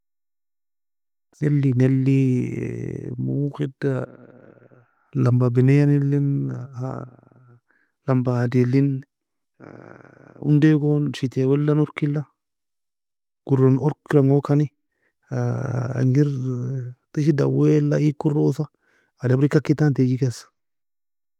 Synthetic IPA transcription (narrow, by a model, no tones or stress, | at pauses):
nelːinelːi | muxida | lambabinejanelːinha̰ | lambadelːin | ṵndeɡonʃit̪ewɛlːanuɾkilːa | ɡ̥uɾonɔɾkɾaŋokani | a̰ŋiɾ | t̪iʃida̰welaikːurosaː | dabɾikakːit̪ant̪ed͡ʒikes